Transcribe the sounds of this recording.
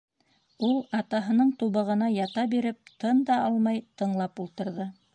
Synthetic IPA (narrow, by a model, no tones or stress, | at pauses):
ulˠɑt̪ɑɦɤ̆nɤɴt̪uβɤ̆ʁɤ̆nɑjɑt̪ɑbiɾɘp̚t̪ɤnd̪ɑɑlˠmɑjt̪ɤ̆ɴlˠɑpulˠt̪ɤ̆ɾðɤ